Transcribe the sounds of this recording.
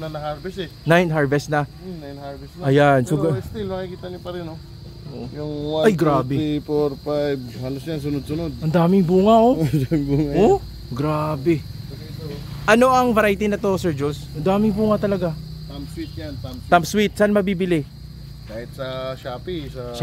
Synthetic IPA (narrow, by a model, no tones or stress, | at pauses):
nɐnɐhaɹvɛsɛ | najnɦaɹvɛst̪nɐ | najnhaɹvɛsnʔɐjansoɡst̪ilmɐkikiːt̪ɐnʊpɐɾɪno | jʊŋwaɐjɡɾaːbɛifoɾfajbhalosjans̬ʊnod̪̚sʊnod̪̚ɐnd̪aːmɪŋbuːŋɐʔoɐd̪amɪŋbuːŋɐo | ɡɾabɛ | ʔɐno̞ʔɐŋvɐɾajt̪inɐt̪o̞sɛɹd͡ʒolsʔɐnd̪aːmɪŋbuːŋɐt̪ɐlɐɡa | t̪amswit̪̚jant̪amt̪ampswit̪̚sanmɐbiːbɪlɪ | kaːhɪt̪̚sɐʃaːpisɐ